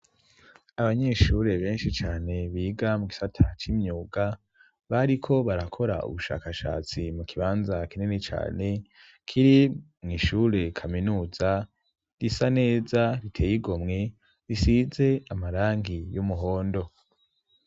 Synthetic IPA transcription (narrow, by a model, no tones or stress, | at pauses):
aβaɲeːʃuɾe̞βe̞ːnʃit͡ʃaːne̞βiːɡamuɡisatʰat͡ʃiːmɲuːɡa | βaɾikʰo̞βaɾakʰo̞ɾa̰ṵβuʃa̰ːkaʃa̰ːt͡simukʰiβaːnzakininet͡ʃa̰ːne̞ | kʰiɾimŋiʃuɾe̞kʰaminuːza | ɾisane̞ːzaɾitʰe̞ːjiɡo̞mŋe̞ | ɾisize̞amaɾaːŋɡijomuɦo̞ːndo̞